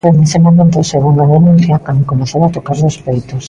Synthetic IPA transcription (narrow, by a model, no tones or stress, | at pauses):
onesemomẽnt̪oseɣuŋaðenũnθjakand̪okomeθaɾat̪okaɾðosfejt̪os